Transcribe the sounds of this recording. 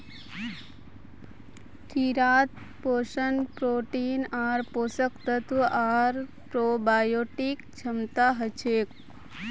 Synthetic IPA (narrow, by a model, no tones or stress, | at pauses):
ʈʰiːɾaːt̪̚ | poːʃənpɾoːʈiːnaːɾpoːsəkt̪ət̪uʔaːɾ | pɾoːbaːjoːʈikt͡ʃʰəmt̪aɦət͡ʃʰeːk̚